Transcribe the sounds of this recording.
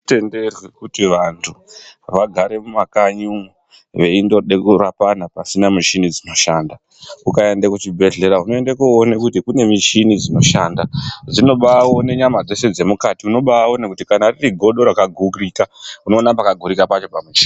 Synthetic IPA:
te̞nderwekutiʋantʰuʋaɡʱaɾe̞mumakaɲumu | ʋe̞indo̞ɗekurapanapasinamiʃinid͡zino̞ʃanda | ukae̞ndakut͡ʃibʱe̞ɮe̞ɾaɦuno̞e̞ndakuonekutikune̞miʃinid͡zino̞ʃaːndad͡zino̞ɓawo̞ne̞ɲamad͡zo̞se̞d͡ze̞mukatiuno̞ɓawo̞ne̞kutikanaririɡʱo̞ɗo̞ɾakaɡʱukrikauno̞ːnapakaɡʱuɾikapat͡ʃo̞pamut͡ʃeia

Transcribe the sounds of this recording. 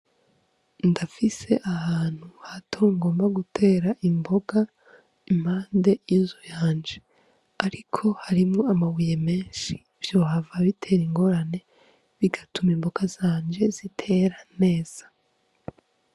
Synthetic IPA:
ndafise̞ʔahaːn̥huhatʰo̞ŋɡo̞ːmbaɡutʰe̞ːɾaʔimbo̞ɡa | im̥haːnde̞jizujaːɲd͡ʒe | aɾikʰo̞haɾimŋoamawijeme̞ːnʃi̥ | vjo̞ːhavaβitʰe̞ːɾiŋɡo̞ɾane̞ | βiɡatumimbo̞ɡaz̥aːɲd͡ʒe̞zitʰe̞ɾane̞ːz̥ḁ

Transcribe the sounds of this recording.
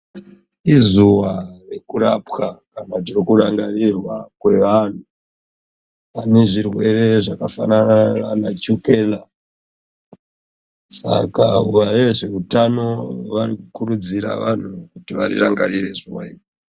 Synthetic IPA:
izuware̞kuɾapxakanaʐirikuraŋɡarirwakwe̞ʋan̤u | pane̞ʐirwe̞re̞ʐakafananaanat͡ʃuke̞ːla | sa̰kauʋajeʐe̞utano̞ʋarikukuɾud͡ziɾa̰ʋan̤ukutiʋa̰rḭraŋɡarirezuwai

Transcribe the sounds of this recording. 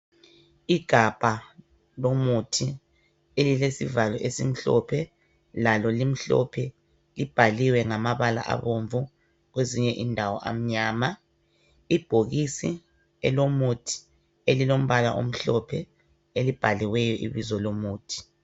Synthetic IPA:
iɡ̥ʱab̥ʱa | lomutʰi | elilesḭvalɔʔesim̩ɬɔ̰pʰɛ | lalɔlim̩ɬɔ̰pʰɛ | lib̥ʱaliwɛŋamaβala̰ʔa̰βoɱvu | ɣweziɲɛʔindʱawɔʔa̰m̩ɲaːma | ib̥ʱoɣisi | ɛ̰lomutʰi̥ | elilom̩βala̰ʔo̰m̩ɬɔpʰɛ | elib̥ʱaliwɛjɔʔḭβizɔlomuːtʰi̥

